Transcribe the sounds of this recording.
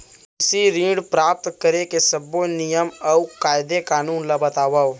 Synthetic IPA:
ɪsiɾĩːɽpɾaːp̚t̪kəɾekesəbonɪjəmɐukaːɪd̪ekaːnuːnlabət̪aːʋa

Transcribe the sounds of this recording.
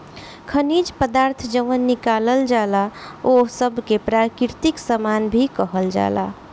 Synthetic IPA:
kʰənid͡ʒpəd̪aɾt̪ʰd͡ʒəʋənːikaləld͡ʒalaosəbʱkepɾakɾt̪iksəmanbʱikəɦəld͡ʒa̰la̰

